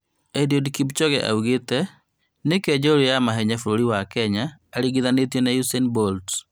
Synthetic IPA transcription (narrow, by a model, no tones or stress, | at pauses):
ɛdiodkip̬t͡ʃɔɣɛʔa̰uɣetɛ | nekɛɲd͡ʒɔɾojamaɦɛɲafuɾoɾiwakɛɲaːɾiɣiðanetɛnajusɛnbɔlt